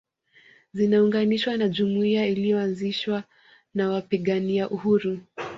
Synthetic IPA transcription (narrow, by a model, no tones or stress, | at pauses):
zinauŋɡaniʃwanaʄumuiailijɔanziʃwa | nawapiɠaniaʔuhuɾu